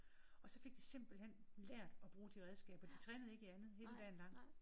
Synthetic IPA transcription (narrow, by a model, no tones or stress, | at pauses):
ɒ̽sɒ̽fe̝ɡ̥̚d̥ise̝m̰b̥l̩hen̰leɐ̰d̥ɒ̽b̥ʁuːd̥iʁeð̞ˠsɡ̥ɛ̰ːb̥ɒ̽d̥it͡sʰʁɛːnəð̞̩ˠe̝ɡ̥iænð̞̩ˠhe̝ːləd̥ɛ̰nl̥ɑ̈ŋ̰